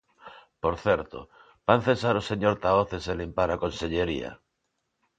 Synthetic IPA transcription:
poɾθɛɾt̪o̰ | b̥an̟θesaɾoseɲoɾt̪aoθeselimpaɾakonseʎeɾḭa̰

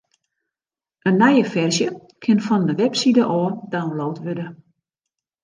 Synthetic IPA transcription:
ənːɛjəfɛrsjə | kʰɪnfɔndəʋɛpsidəʔɔːdaənloːtʋødə

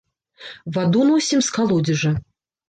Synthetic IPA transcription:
vad̪unuwsʲimskalˠɔd͡zʲiʐɐ

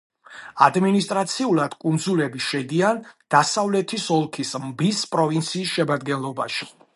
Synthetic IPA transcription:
ad̪minist̪ʼɾat̪sʰiulˠad̪̥kʼund̪zulɛbiʃɛd̪iand̪̥asavlɛt̪ʰisɔlˠkʰismbispʼɾɔvint̪sʰiːsʃɛmad̪ɡɛnlˠɔba̰ʃi̥

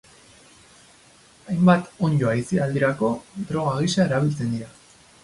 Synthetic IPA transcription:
ajmbat̪oɲjoajsiald̪iɾako̞d̪ɾo̞ɣ̞aɣ̞isae̞ɾaβilt͡se̞nd̪iɾa

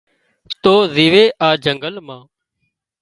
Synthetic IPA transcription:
t̪oːziːʋeːʔaːd͡ʒəŋɡəlmãː

